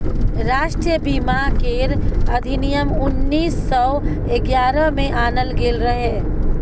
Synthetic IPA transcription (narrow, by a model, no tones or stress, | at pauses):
ɾaːʃʈɾijəbiːmakeɾɐd̪ʱɪnijəmʊnːiːsːɔː | eɡjaːɾəmẽʔaːnəlɡeːlɾəɦeː